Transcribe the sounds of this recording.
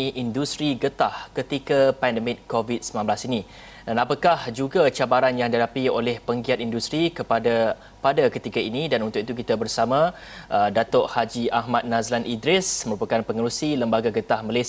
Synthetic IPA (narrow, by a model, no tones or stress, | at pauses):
iʔindust̪ɾiɡət̪ahkət̪ikapɛndəmɪt̪̚kovit̪̚səmãmblasini | danapakahd͡ʒuɡat͡ʃabaɾanjaŋdiɦadapio̰lɛhpəŋɡiat̪indust̪ɾikəpada | padakət̪ikainĩdanunt̪ʊk̚it̪uk̬it̪abərsamã | ʔədat̪ɔʔhad͡ʒiʔahmat̪̚nazlanʔidɾɪsməɾupakanpəŋəɾusiləmbaɡaɡət̪ahmale